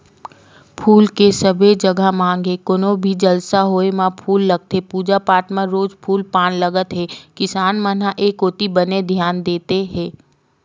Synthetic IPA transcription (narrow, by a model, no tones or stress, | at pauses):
pʰuːlkesəbʱed͡ʒəɡʱamãːŋɡekonõbʱid͡ʒəlsaɦoːemãpʰuːlːəɡ̚t̪epuːd͡ʒapaːʈmãɾoːd͡ʒpʰuːlpaːnləɡət̪ɦɛ̃kɪsaːnmənaʔeːkoːt̪ibəned̪ʱjaːnd̪eːt̪eɦɛ̃ː